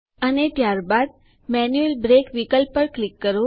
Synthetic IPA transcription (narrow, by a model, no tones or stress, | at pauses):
ənet̪jaɾbad̪̚ | mɛnjuelbɾekʋikəlpːəɾklikːəɾo